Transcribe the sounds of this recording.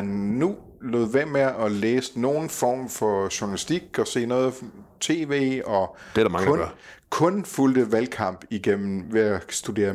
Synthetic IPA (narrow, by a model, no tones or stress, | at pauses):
ænːu | loðˠʋemeɒleːsno̝ːn̩fɒ̰ːmfɒ̽ɕunælisd̥iɡ̥ɒ̽se̝̰ːnɔ̽ːð̞̩ˠt͡sʰe̝̰ːʋe̝̰ːɒ̽d̥eɾmɑŋɔkʰɔ̽nfuld̥əʋælkʰɑ̈m̰b̥iɡ̥em̰m̩ʋeæsd̥ud̥e̝̰ːɐ